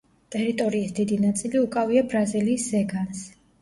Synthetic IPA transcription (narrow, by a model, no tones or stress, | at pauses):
t̪ʼɛɾit̪ʼɔɾiːsd̪id̪inat̪sʼiliukʼaviabɾaziliːszɛɡans